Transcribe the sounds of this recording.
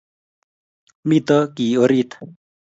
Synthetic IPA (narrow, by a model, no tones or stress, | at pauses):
mit̪ɔkioɾit̪